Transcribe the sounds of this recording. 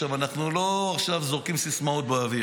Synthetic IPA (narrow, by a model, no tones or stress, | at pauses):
avanaχnulo̞aχʃavzoʁkimsismaut̪̚beavi